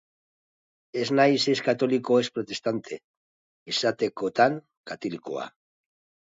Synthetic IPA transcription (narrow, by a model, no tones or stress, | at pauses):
e̞znajseskat̪o̞liko̞e̞spɾot̪e̞st̪ant̪ʰe̞ | isat̪e̞ko̞t̪aŋ | kat̪oliko̰a̰